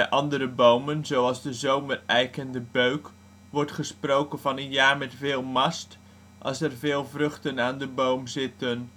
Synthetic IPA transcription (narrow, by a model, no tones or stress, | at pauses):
ɛjʔɑndəɾəbowmənzowɑlˠzdəzowmərɛjkəndəbøɥk | ʋɔɹtχəsprowkənvɑnənjaːɹmɛtfɪːlˠmɑst | ʔɑ̰lˠsɛrvɪːlˠvrɵχtənaːndəbowmzɪtən